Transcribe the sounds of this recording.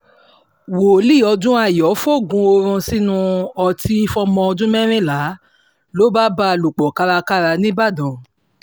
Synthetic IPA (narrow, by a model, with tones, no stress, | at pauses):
wo˨li˦˨ɔ˧d͡ʒũ˦a˦˨jɔ˨˦fo˦˨ɡũ˧o˧ɾũ˧si˦nũ˦˧ɔ˧ti˧˦fɔ˧˦mɔ̃˧ɔ˧d͡ʒũ˦mɛ˦ɾ̃ĩ˦˨la˨˦ | lo˨˦ba˦ba˧lu˨k͡pɔ˨ka˧ɾa˧ka˦ɾa˧nĩ˦ba˦˨dɔ̃˨